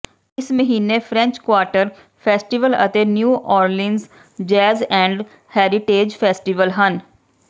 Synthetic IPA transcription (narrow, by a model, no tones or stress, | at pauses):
ɪsməɦiːnefʰɾɛ̃ɲt͡ʃkwaːɾʈəɾ | fʰeːsʈiʋəlɐ̰t̪enjuːʔɔːɾlɪ̃nz | d͡ʒɛːzɛ̃ːɳɖ | hɛːɾɪʈeːd͡ʒfʰeːsʈiʋəlɦɐn